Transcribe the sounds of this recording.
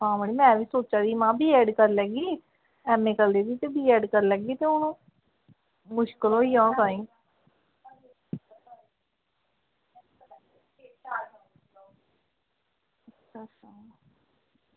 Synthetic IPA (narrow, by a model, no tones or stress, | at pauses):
ɦãːbəɽiːmɛ̃ʋiːsoːt͡ʃaːd̪iːmãːbiːɛːɖkəɾlɛːɡiː | ɛːmeːkəld̪eːd̪iːt̪eːbʱiːɛːɖkəɾlɛːɡiːt̪eːʊnõː | mʊʃkəlɦoːiːãːkãːĩː | əʃʰasaː